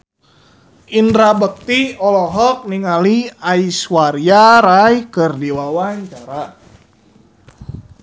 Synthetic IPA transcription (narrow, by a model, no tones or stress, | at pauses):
ʔindɾabək̚t̪iɔlɔɦɔk̚niŋaliaiswaɾiaɾajkərdiwawaɲt͡ʃaɾa